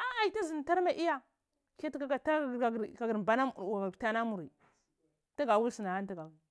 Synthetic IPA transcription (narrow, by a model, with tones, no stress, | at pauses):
a˦a˨i˨ta˦zi˨n˨ta˦ɾma˨ʔi˦ja˦ | ka˦tka˦a˨ta˦˨a˨a˨ɡɾba˦na˦˨a˨ta˦na˦mu˨ɾi˨ | ta˦ɡa˨wu˦lsi˨na˨ha˦nta˦ɡa˨